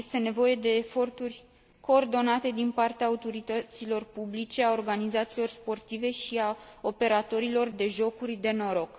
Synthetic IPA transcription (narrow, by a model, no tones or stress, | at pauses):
jest̪e̞ne̞vo̞je̞d̪e̞ːfo̞rt̪urʲ | ko̞ːrd̪o̞nat̪e̞d̪inpart̪eaːut̪o̞ɾit̪ət̪silo̞rpublit͡ʃe̞ao̞rɡanizat̪siːlo̞rspo̞rt̪ive̞ʃiao̞pe̞ɾat̪o̞ɾilo̞rd̪e̞ʒo̞kurʲd̪e̞no̞ɾo̞k